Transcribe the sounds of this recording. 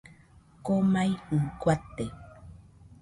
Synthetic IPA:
komajuŋkwat̪ːe

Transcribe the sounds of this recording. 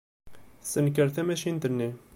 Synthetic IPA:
sənkəɾθæmæʃint̪ənːi

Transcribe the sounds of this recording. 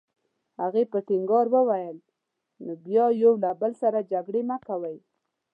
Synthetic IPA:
haɣepəʈɪŋɡɑɾwəwajəl | nobjɑjowlabəlsaɾad͡ʒaɡɽemakawəj

